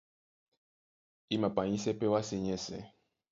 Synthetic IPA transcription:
i˦mã˨pa˨ɲĩ˦sɛ˦pɛ˦wa˦se˨ɲɛ˦sɛ̰˨

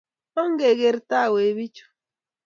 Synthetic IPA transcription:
ɔ˦ŋ˦ɡe˨ɣe˨ɾita˦˨we˨βi˦t͡ʃo̥˨

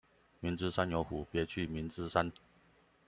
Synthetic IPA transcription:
mi˨˥nt͡sɹ̩˥ʂa˥njo˧˥ʊxu˨˩pjɛ˨˧˥t͡ɕʰy˥˩mi˨˥nt͡sɹ̩˥sa˦n

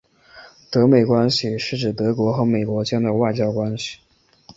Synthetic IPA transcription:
t̪ɤ˧˥me˨˩ɪkwa˥nɕi˨˩ʂɻ̩˥˩ʈ͡ʂɻ̩˨˩t̪ɤ˧˥kwɔ˧˥xɤ˧˥me˨˩ɪkwɔ˧˥t͡ɕjɛ˥nd̪ə˨wa˥˩ɪt͡ɕjɑ˥ʊkwa˥nɕi̥˨˩

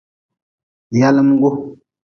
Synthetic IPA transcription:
ja˦lə˦mɡo˦

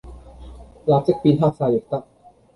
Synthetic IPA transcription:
jaː˧t͡ɕe˦˥k̚piː˧nt̪ʰaː˥˩k̚saː˧je˨˩k̚t̪a˦˥k̚

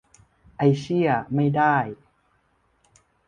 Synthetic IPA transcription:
ʔa˧jsi˥˩ɐma˥˩jdaː˥˩j

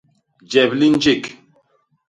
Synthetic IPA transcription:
d͡ʒɛ˨bli˦n˦d͡ʒi˦˨k

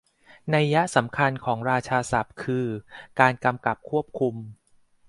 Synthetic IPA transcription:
na˧jːa˦˥sa˩˦mkʰa˧nkʰɔː˩˦ŋɾaː˧t͡ɕʰaː˧sa˨˩p̚kʰɯː˧kaː˧nka˧mka˨˩p̚kʰu˥˩əp̚kʰu˧m

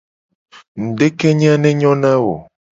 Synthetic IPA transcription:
n̩˨ɖe˦ke˦ɲ˦a˦nɛ̃˦ɲɔ̃˦nã˦wo̰˨

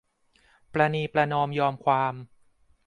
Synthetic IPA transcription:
pɾa˧niː˧pɾa˧nɔː˧mjɔː˧mkʰwaː˧m

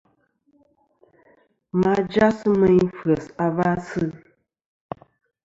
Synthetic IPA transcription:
ma˦d͡ʒa˦sɨ˦mə˦ɲ˦fə˨sa˨va˦sɨ˦˨

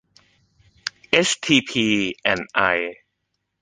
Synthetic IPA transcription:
ʔe˦˥st̪ʰiː˧pʰiː˧ʔɛ˧˩nʔa˧j

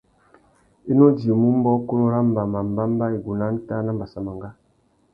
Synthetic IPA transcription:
i˦no˦di˨o˨mu˦m˦bɔ˦ku˦lo˦ɾa˦m˦ba˨ma˨m˨ba˦m˦ba˦i˨ɡu˨na˦n̩˦ta˦na˦mba˨sa˨ma˨ŋɡa˦

